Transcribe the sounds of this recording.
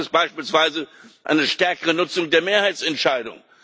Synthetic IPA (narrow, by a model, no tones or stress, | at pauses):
ɪstb̥aɪʃpiːlsv̥aɪzəʔa̰ɪnəʃtɛɐkəʁənʊt͡sʊŋdeːɐmeːɐhaɪt͡sɛntʃaɪdʊ̰ŋ